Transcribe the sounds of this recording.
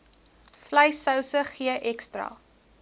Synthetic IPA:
fləjsœwsəχiəʔɛkstrɐ̰

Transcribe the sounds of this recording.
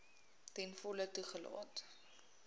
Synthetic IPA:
tɛnfɔlətuχəlɑ̰ːt

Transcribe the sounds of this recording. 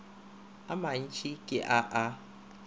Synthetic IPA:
amaɲ̩t͡ʃikeʔaʔa

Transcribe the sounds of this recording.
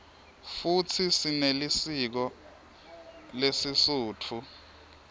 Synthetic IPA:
fut͡sʰisinelisik̬ɔ | lesisuːtʰu

